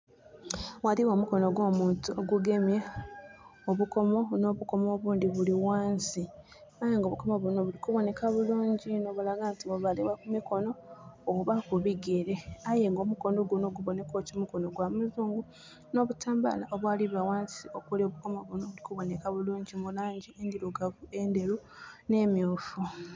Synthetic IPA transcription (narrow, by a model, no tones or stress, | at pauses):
waliwoːmuko̞no̞ɡwoːmuːntuoɡuɡe̞mje | oβuko̞mo̞no̞βuko̞moβuːndiβuliwaːnsi | ajeŋɡoβukomoβuno̞βulikuβo̞ne̞kaβuluːɲɟinoβulaɡaːntiβoβaleβakumiko̞no̞ːβuβakuβiɡeɾe̞aje̞ŋɡo̞ːmuko̞ːndo̞ɡunoɡuβo̞ne̞ko̞ːcimuko̞noɡwamazuːŋɡu | no̞ːβutaːmba̰laʔoβwaːliβawaːnsio̞kulioβukomoβunoβulikuβo̞nekaβuluːɲɟimulaːɲɟieŋɡiluɡavue̞nde̞ɾune̞ːmjoːfu